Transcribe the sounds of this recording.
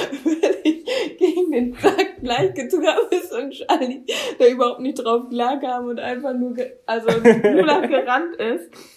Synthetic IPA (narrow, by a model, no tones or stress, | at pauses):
v̥ɪɐkɪçɡ̥eːɡŋ̩deːnfz̥ak̚ɡ̥laɪçɡ̥ətuːaːbəɪsʊnʃalid̥aːʔyːbɐhaʊp̚tnɪçtd̥ʁaʊfɡ̥laːɐkaːbmʊntʔa̰ɪnfaχnuːɐɡəʔalzoulaɡ̥əʁantɪst